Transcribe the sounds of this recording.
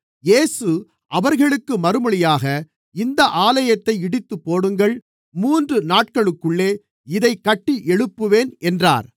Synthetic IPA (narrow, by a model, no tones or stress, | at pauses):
jeːsɯ | ʔɐʋɐɾɣɐɭɯkːɯmɐɾɯmɐɭɪjaːɣɐ | ɪnd̪ɐʔaːlɐjɐt̪ːɐɪɪɽɪt̪ːɯpːoːɽɯŋɡɐɭ | muːndrɯnaːʈ̚kɐɭɯkːɯɭːeː | ɪðɐɪkːɐʈːiʔɛɻɯpːɯʋeːnɛndra̰ːɾ